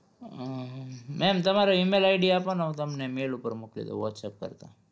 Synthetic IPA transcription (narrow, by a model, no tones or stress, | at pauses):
mɛmt̪ɐmaɾaimelajɖiapənawt̪ɐmnemeːlupəɾmukʰlḛt̪o̰ʋɔʈsep̚kə̰ɾt̪a̰